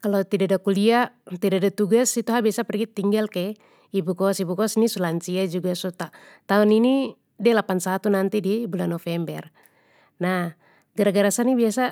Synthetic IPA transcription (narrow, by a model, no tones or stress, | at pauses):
kalɔt̪idadakuliaʔt̪idadat̪uɡasit̪uɦabiasapɛrɡit̪iŋɡalkɛ | ibukɔsibukɔsnisulant͡ʃiad͡ʒuɡasut̪a | t̪aɔnini | dɛlapansat̪unant̪idibulanɔfɛmbɛr | na | ɡaɾaɡaɾasanibiasa